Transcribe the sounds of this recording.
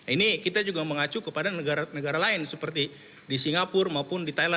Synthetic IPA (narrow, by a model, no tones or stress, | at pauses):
inikit̪ad͡ʒuɡaməŋat͡ʃukəpadanəɡaɾanəɡaɾalaɪnsəpərt̪i | disiŋapʊrmaupʊndit̪aila